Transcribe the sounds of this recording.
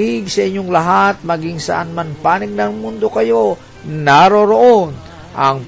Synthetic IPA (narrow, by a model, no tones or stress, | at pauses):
ɪɡsɐʔɪɲːoŋlɐɦat̪̚mɐɡiŋsɐ̰ʔanmanpaːnɪɡ̚nɐŋmʊnd̪o̞kɐjo̞ | naɾoɾoʔon | ʔɐŋ